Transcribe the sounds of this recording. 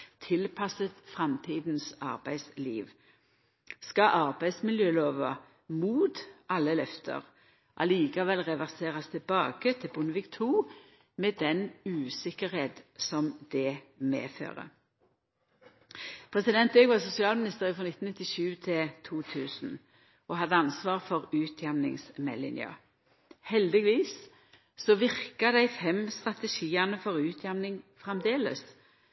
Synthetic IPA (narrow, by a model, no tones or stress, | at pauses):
t̪ʰɪlpʰɑsət̪fʁɑmt̪ʰiːd̪n̩sɑʁbæɪslḭːʋ | skɑʔɑʁbæɪd̪smɪljøːloːʋɑ | muːt̪ʔɑlːəlœft̪ʰə̰ʁ | ʔɑ̰liːkɑʋɛlːʁɛʋæʁseːʁɑst̪ʰɪbɑːɡ̥ət̪ʰɪlbʊnəʋɪkt̪ʰuː | mɛːd̪ɛnʉːsɪkəʁheːt̪sɔmd̪̥ɛmḛːfø̰ːʁə̰ | pʰʁɛsɪd̪ɛnt̪øːɡʋɑːsʊsɪɑːlmɪnɪst̪əʁəfʁɔnɪt̪n̩ɪt̪ːɪʃʉːt̪ʰɪlt̪ʰuːt̪ʰʉːsn | ʔɔɦɑd̪əɑnsʋɑːʁfɔʁʉːt̪ʰjɛmnɪ̰ŋsmɛ̰lɪ̰nj̰ə̰ | hɛld̪ɪɡʋiːs | sɔʋɪʁkəd̪æɪfɛmst̪ʁɑt̪əʃiːɑnəfɔʁʉːt̪ʰjɛmnɪŋfʁɑmd̪eːlə̰s